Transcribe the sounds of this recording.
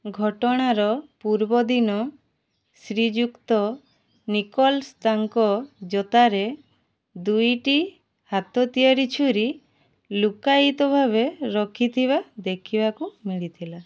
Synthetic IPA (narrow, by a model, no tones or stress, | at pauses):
ɡʱɔʈɔɽ̃aɾɔpuɾbɔd̪inɔ | sɾid͡ʒukt̪ɔ | nikɔlst̪aŋkɔd͡ʒɔt̪aɾe | d̪ujʈi | hat̪ɔt̪ijaɾit͡ʃʰuɾi | lukajit̪ɔbʱaβeɾɔkʰit̪ʰibad̪ekʰibakumiɭit̪ʰila